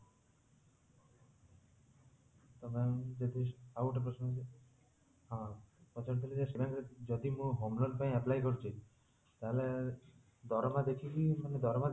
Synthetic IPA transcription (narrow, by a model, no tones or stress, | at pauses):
t̪ɔmed͡ʒɔd̪iawʈpɾɔsnɔ | ɦãpɔt͡ʃɔɾt̪ʰilid͡ʒaʃebakd͡ʒɔd̪imũɦomlɔɖpaĩaplajkɔɾt͡ʃʰi | t̪aele | d̪ʱɔɾmad̪ekʰikikaned̪ʱɔɾma